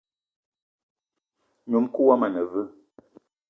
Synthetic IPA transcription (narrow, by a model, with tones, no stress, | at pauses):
ɲu˨˦mku˦wa˦ma˨nə˨vɨ˦